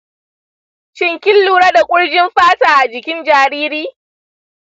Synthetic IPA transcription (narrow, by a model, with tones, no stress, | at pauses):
t͡ʃɪ˦ŋkʲɪ˦lːuː˨ɽa˦da˨kʷʼʊ˦ɽd͡ʒɪ˦mɸaː˦taː˨ʔa˨d͡ʒɪ˨kʲɪ˦nd͡ʒaː˨ɾiː˦ɾiː˦